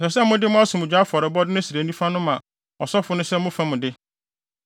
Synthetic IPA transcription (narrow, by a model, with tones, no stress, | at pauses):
ɔ˨sɛ˨sɛ˦mʊ̃˦dɪ˦mʊ̃˦a˦sʊ̃˨mʊ̃˨d͡ʑᶣa˨˦fɔ˨ɾɪ˨bɔ˦dɪ˦nʊ̃˦si˨ɾa˨nũ˦fã˦nʊ̃˦mã˨ | ɔ˨sɔ˦fʊ˦nʊ̃˦sɛ˦mʊ̃˦fa˦mʊ̃˨dɪ˦